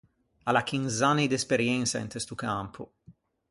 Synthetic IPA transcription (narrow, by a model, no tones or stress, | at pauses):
alakinzanid̪espeɾjɛnt̪saḛnt̪est̪ukampʰu